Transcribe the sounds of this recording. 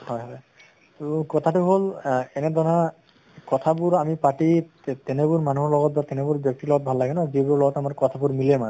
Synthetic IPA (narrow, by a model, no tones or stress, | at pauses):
hɔjɦaɛ | tokɔt̪ʰatʊɦolɛnɛd̪ɔɹa | kɔt̪ʰabuɹamipaʈi | t̪ɛnebuɹmanuɦɔɹlɔɡɔt̚bat̪ɛnebuɹbjɔk̚t̪ilɔɡɔt̚bʱalːaɡɛnɔazibuɹɔɹlɔɡɔtamaɹkɔt̪ʰabuɹmilɛman